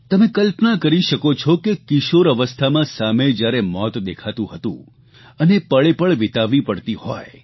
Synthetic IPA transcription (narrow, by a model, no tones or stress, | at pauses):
t̪əmẽkəlpnakəɾiʃəkot͡ʃʰɔkekɪʃoɾəʋəst̪ʰamãsamed͡ʒjaɾemɔt̪d̪ekʰat̪ũɦət̪ṵ̃ | ənepəɭepəɭʋɪt̪aʋipəɽt̪ihɔ̰j